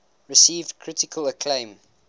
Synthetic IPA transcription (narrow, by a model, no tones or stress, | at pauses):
ɹɪsiːvdkʰɹ̥ɪtɪkʰələkʰlẽɪ̃m